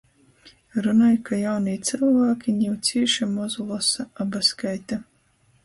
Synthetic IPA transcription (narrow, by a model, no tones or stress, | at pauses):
ɾunajkajawnɨjt̪sɨlˠvaːkʲiɲʲiwt̪sʲiːʃamɔzulˠɔsaabaskajt̪a